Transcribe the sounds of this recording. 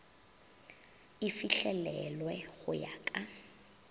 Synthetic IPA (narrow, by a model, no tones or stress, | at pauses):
ifiɬɛlɛlwɛɣʊja̰ːkʼa